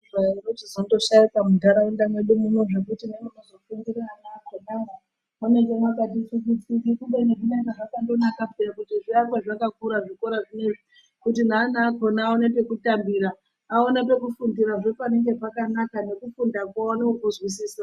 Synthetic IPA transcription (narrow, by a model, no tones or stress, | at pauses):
ʐairotizondo̞ʃarikamudʱaɾaendamweɗumumweʐekutinanonozofundiɾianaːkoɗaŋɡa | unekemakatit͡ʃukit͡sikikuɓenekunaŋɡaʐakandonakapejakutiʐiarwaʐakakuɾaʐiko̞ɾaʐineʐi | kut̬inaːnaːkonaːonape̞kutambiɾaː | o̞nape̞kufundiɾaʐopane̞ŋɡe̞pakanakane̞kufundakwaonekukuzwisiːsa